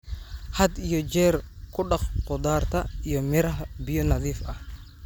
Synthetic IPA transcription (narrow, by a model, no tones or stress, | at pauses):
hɐd̪ijɔd͡ʒɛːrkʰʊɗɑχqʊd̪aːrt̪ʰɐijɔmɪɾɐɦbɪjɔnɐðiːfʔɐh